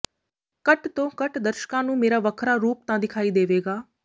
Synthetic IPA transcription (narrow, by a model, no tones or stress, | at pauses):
kəʈt̪õːkəʈd̪əɾʃkãːnũːmeːɾaːʋəkʰɾaːɾuːp̚t̪ãːd̪ɪkʰaːiːd̪eːʋeːɡaː